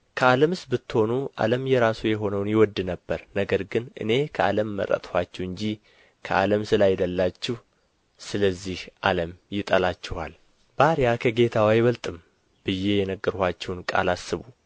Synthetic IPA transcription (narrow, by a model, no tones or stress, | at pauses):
kʰəaləmɨsbɨt̪ːɨho̞nuʔa̰ləmjɛɾasujɛɦo̞nəwnjɪwɔd̪ːɨnəbːəɾnəɡəɾɡɨnʔɨ̰ne̞kʰəʔa̰ləmːə̰ɾə̰t̪ʼhwat͡ʃːɛwɨɲd͡ʒi | kʰəʔaləmsɨlajd̪əlːat͡ʃːɪh | sɨləzːihʔaləmjɪt̪ʼəlat͡ʃːɪhal | b̥aɾjakʰəɡe̞t̪ʰawajwəlt̪ʼɨm | b̥ɨjːe̞jɛnəɡːəɾhat͡ʃːɛwnkʼa̰lasːɨβu